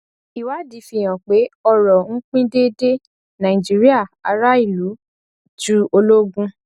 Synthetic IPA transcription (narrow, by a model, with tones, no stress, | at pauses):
i˨wa˨˦di˨˦fi˧˨j̃ã˨k͡pe˨˦ɔ˧ɾɔ˨ŋ̩˦k͡pĩ˦de˦de˦ | nã˨ĩ˨d͡ʒi˨˦ɾi˦a˦˨a̰˧ɾa˦i˦˨lu˨˦ | d͡ʒu˦o˧lo˦ɡũ˦